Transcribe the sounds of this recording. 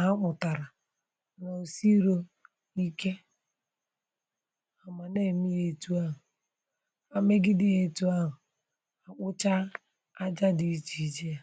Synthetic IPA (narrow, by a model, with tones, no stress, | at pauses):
ɦa˦k͡pʊ˨ta˨ɾa˨ | no˨si˦ɾo˦ | i˦ke˦ | a˨ma˨ne˦˨mi˦je˨tu˦a˦ɦʊ˨ | a˨me˦ɡɪ˦dɪ˦e˨tu˦a˦ɦʊ˨ | a˨k͡pʊ˦t͡ʃa˦ | a˦d͡ʒa˦di˨i˦t͡ʃi˨i˦d͡ʒe˦a˨